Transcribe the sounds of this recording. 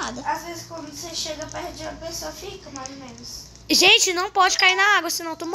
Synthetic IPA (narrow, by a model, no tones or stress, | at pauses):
ad̪ɐazvezɪskwɐ̃nd̪ʊseʃeɡɐpeɾd͡ʒiɐpesoɐfikɐmajzomẽnʊs | ʒẽt͡ʃɪnɐ̃w̃pɔd͡ʒɪkaiɾnɐaɡwɐsɪnɐ̃w̃t̪om